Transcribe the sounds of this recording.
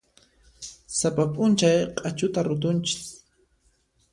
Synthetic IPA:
sapapʼʊnt͡ʃajqʼat͡ʃʊt̪aɾʊt̪ʊnt͡ʃɪ̥s

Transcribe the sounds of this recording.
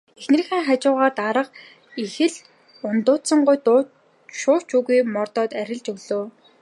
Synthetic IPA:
exnɘ̆r̆xʲeːŋχat͡ɕʊːʁaːt̪aɾə̆q | ixɘ̆ɮ | ʊnt̪ʊːt̪sə̆ɴɢʊjt̪ː | ʃʊːt͡ɕuːɣujmɔrt̪ɔːt̪æɾʲɪ̆ɮt͡ɕɵɣɮoː

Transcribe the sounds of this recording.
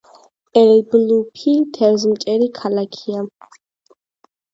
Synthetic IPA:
ɛlblupʰit̪ʰɛɾzmt͡ʃʼɛɾikʰalakʰia

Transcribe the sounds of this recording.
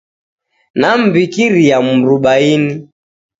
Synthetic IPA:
nam̩bikiɾiamuɾuɓaini

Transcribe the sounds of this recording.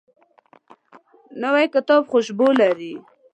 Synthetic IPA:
nawajkət̪ɔbxʊʃbolaɾi

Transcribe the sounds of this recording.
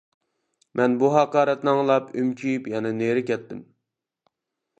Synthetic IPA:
mʔɛnbuɦɑqɑːɾɛt̪nɨŋlˠɑpymt͡ʃʲʰyjypjɑnɪneɾɪkʲɛt̪ːɪm

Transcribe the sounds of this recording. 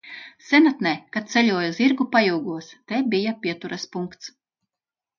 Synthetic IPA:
sɛnat̪nɛkat̪̚t̪sɛlʲuɔjuziɾɡupajuːɡuɔst̪ɛbijapʲiɛt̪uɾɐspuŋkt̪s

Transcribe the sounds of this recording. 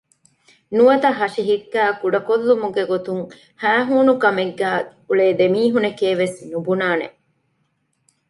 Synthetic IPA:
nuʋɐt̪ɐɦɐʃiɦikːæːkuɖɐkolːumuɡeɡot̪uŋ | hæːɦuːnukɐmeɡːæːuɭeːd̪emiːɦunekeːʋesnubunaːnḛ

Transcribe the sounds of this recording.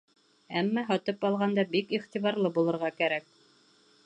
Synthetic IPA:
æmːæɦɑt̪ɤpɑlˠʁɑnd̪ɑbikiχt̪iβɑɾlˠɤbulˠɤ̆ɾʁɑkæɾæk̚

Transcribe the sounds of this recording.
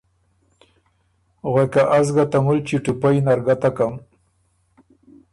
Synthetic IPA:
ɣekaʔazɡat̪amult͡ʃiʈupajnaɾɡat̪akam

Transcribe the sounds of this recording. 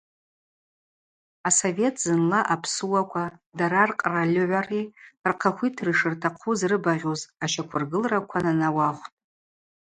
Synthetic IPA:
aso̞ve̞tʰz̥ɨnlaʔapʰsuwakʷʰadaɾarqʼralʲʊʕʷarirqʰaχʷitʰrɨʂɨrtʰaqʰuzrɨbaʁʲozaʃakʷʰʊrɡɨlrakʷʰananawaχʷtʼ

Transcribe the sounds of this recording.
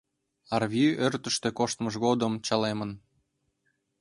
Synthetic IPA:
ɑrβʲiørt̪əʃt̪ekoʃt̪məʃɣod̪əmt͡ɕɑlemən

